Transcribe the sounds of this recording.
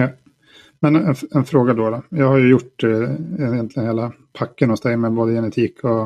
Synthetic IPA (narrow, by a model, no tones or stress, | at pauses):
mɛnɛnɛnfɾoːɡad̪ɔɾɔjɑːɡhaɾjɵjʊʈː | jɛnt̪lɪɡənheːla | pʰakːənhʊsd̪ɛmɛboːd̪əjɛnɛt̪ʰiːkʰɔ